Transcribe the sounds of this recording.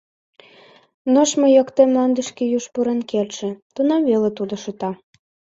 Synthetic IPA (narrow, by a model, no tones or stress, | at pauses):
noʃməjokt̪emlɑnd̪ə̆ʃkejuʃpuɾenkelʲʃĕt̪unɑmvelet̪ud̪oʃɤ̆t̪ɑ